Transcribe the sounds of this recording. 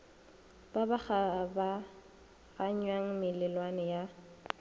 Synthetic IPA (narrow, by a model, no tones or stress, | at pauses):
b̥abaχaba | ɣaɲwaŋ̩mɪlɪlwanɛja